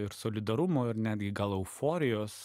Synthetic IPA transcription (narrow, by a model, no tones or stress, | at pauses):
ɪɾsoːlʲɪd̪ɐɾʊmoːɪɾnʲæːd̪ʲɡʲɪɡɐlˠɛʊfoːɾʲɪjoːs